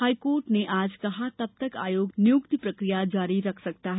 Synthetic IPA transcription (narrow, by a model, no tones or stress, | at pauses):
haːjkoːɾʈneʔaːd͡ʒkɐɦat̪ɐb̚t̪əka̰ːjoːɡnjukt̪ipɾəkɾijad͡ʒaːɾiɾɐkʰsək̚t̪aɦɛ